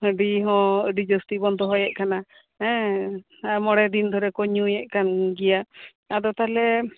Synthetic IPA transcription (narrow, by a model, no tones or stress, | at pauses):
əɖiɦɔ̃əɖid͡ʒɔst̪ibɔnd̪ɔɦɔjɛʔ̚kana | hɛ̃ | amɔɽɛd̪ind̪ʱɔɾɛkɔɲujɛʔkanɡɛja | ad̪ɔt̪alɛ